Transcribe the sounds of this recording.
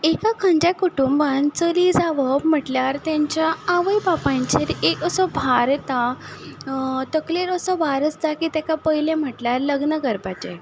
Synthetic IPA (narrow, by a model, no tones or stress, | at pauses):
ekakʰãɲd͡ʑakuʈumbãnt͡səliːd͡zaʋəm̤əʈljaɾt̪jaɲt͡ɕjaːʋəjbapãɲt͡ɕeɾekəsəbʱaɾt̪a | t̪əkleɾəsəbʱaɾət͡sd͡zakit̪akapəjlem̤əʈljaɾləɡnəɡəɾpat͡ɕe